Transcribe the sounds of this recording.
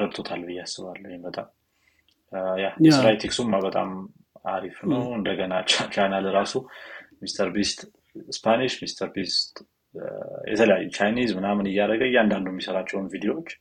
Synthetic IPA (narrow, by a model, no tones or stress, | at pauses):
ɾəbt̪ʰo̞t̪ʰalːbɨjːasːɨβalːhjembət̪ʼam | jaɛsɾajt̪ʰiksumːabət̪ʼa̰m | a̰ɾifnəwɨnd̪əɡənat͡ʃːat͡ʃʰajnalɨɾasumist̪ʰəɾbist̪ | spʰaniʃmist̪ʰəɾbist̪ | jɛ̰t̪ʰələja̰jːumt͡ʃʰajnizmɨnamɨnɨjːaɾəɡəjːand̪and̪uɛmːisəɾat͡ʃːɛwnvid̪ijowot͡ʃː